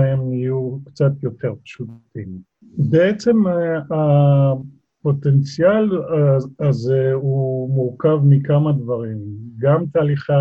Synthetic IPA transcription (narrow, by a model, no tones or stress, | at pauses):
emijukt͡sat̪jo̞t̪e̞ʁpʃut̪im | beet͡se̞ma | po̞t̪ent͡sial | azeumuʁkavmikamad̪vaʁimɡamt̪aːliχa